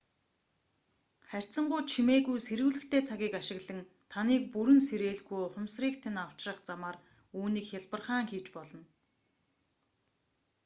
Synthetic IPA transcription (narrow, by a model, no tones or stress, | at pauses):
χær̥ʲt͡sə̆ɴɢʊːt͡ɕʰimeːɣujseɾɘ̆wɮɘ̆xt̪ʰeːt͡sʰaɣʲiːkaʃɪ̆ɣɮə̆ŋ | t̪ʰaniːk̚puɾɘ̆nseɾeːɮɣujʊχʊmsriːkt̪ʰenaw̥t͡ɕrə̆χt͡samaːr | uːniːkxʲaɮpə̆rχaːŋxiːt͡ɕpɔɮɞ̆n